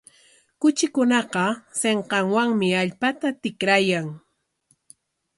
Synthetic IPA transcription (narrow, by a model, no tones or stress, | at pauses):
kʊt͡ʃɪkʊnɑqɑseɴqɑŋwaŋmɪaʎpat̪at̪ɪkɾajaŋ